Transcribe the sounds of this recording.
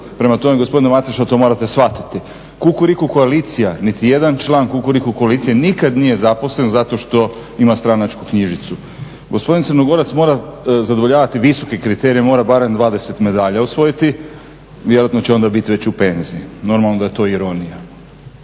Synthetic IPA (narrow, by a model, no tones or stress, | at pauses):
pɾe̞mat̪o̞meɡospo̞d̪inemat̪eʃat̪o̞mo̞ɾat̪e̞sʋat̪i̥t̪i | kukuɾikuko̞aliːt̪sijanit̪ije̞d̪ant͡ʃlˠaːŋkukuɾikukoalit̪ijenikad̪nije̞zapo̞sle̞nzat̪o̞ʃt̪o̞ | imast̪ɾanat͡ʃkukɲiʒit̪su | ɡo̞spo̞d̪int̪srɾnoɡo̞ɾat̪smo̞ːɾazad̪oʋo̞ʎaːʋat̪iʋiso̞ke̞kɾit̪e̞ɾijemo̞ːɾabaɾe̞md̪ʋaːd̪e̞se̞t̪me̞d̪aːʎausʋo̞jit̪i | ʋjeɾoat̪no̞t͡ɕeo̞nd̪abit̪iʋe̞t͡ɕupe̞nziino̞ɾmalˠno̞d̪aje̞t̪o̞ːiɾo̞nija